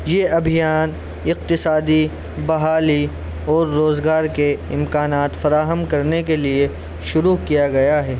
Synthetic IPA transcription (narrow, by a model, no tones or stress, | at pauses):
jeɐbʱijaːn | ɪq̚t̪ɪsaːd̪i | bɐɦaːli | ɔːɾːoːzɡaːɾkeɪ̃mkaːnaːt̪fɐɾaːɦəmkɐɾnekelie | ʃʊɾuːkijaɡɐjaɦɛː